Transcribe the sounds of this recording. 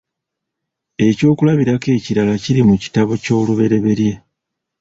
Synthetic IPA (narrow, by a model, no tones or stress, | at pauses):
e̞co̞ːkulaβiɾake̞ːciɾalaciɾimuci̥taβo̞co̞ːluβe̞ɾe̞βe̞ɾje̞